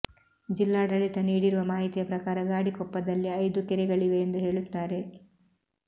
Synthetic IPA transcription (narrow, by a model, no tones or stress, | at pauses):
d͡ʒilːaːɖɐɭit̪ɐniːɽiɾuʋɐmaːɦit̪ijɐpɾɐkaːɾɐɡaːɽikɔpːɐd̪ɐlːiɐjd̪ukɛɾɛɡɐɭiʋe̞ːnd̪uɦe̞ːɭut̪ːaːɾe̞